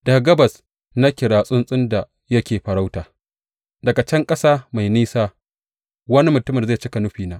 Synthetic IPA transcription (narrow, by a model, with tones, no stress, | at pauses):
d̥aː˨ɡɐ˦bɐ˨s | na˦kʲɪ˨ɽaː˨sʼʊ˦nsʼɪ˦nda˨ | jɐ˦kʲeː˨ɸɐ˨ɽa˦wtaː˨ | dɐ˨ɡa˨t͡ʃɐ˦ŋkʼɐ˦saː˦ma˨jniː˦saː˦ | wɐ˦ni˦mʊ˨tʊ˦mɪ˨za˦˨jt͡ʃi˦ka˨nʊ˦ɸiː˨naː˦ʔ